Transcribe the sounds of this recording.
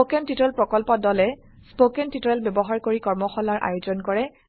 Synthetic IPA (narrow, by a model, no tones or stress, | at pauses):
okɛntitɔɹɛlpɹɔkɔlpɔdɔlɛ | spokɛntitɔɹɛlbɛbɔɦaɹkoɹikɔɹmɔxɔlaɹʔa̰jozɔnkɔɹɛ